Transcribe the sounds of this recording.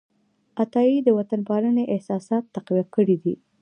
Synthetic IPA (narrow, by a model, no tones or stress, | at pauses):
at̪ɑid̪əwat̪anpɑɾəneʔɪhsɑsɑt̪ːaqwijakəɽid̪ḭ